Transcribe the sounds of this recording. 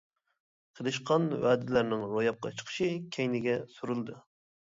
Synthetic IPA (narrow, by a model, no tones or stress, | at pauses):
qʰəd̪ɨʃqʰɑnwæːd̪ɪlæɾnɪŋɾojɑp̚qʰɑ̰t͡ʃʰə̥qʰə̥ʃɨkʲʰɛjnɪɡʲɛsuɾɨlˠd̪ɨ